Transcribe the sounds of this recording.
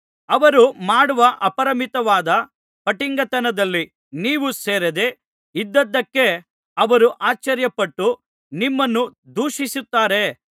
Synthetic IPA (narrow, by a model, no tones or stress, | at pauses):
ɐʋɐɾumaːɽuʋɐʔɐpɐɾɐmit̪ɐʋaːd̪ɐ | pɐʈiŋɡɐt̪ɐnɐd̪ɐlːi | niːʋuseːɾed̪e̞ | id̪ːɐd̪ːɐkːe̞ | ɐʋɐɾuʔaːt͡ʃɐɾjɐpɐʈːu | nimːɐnːud̪uːʃisut̪ːaːɾe̞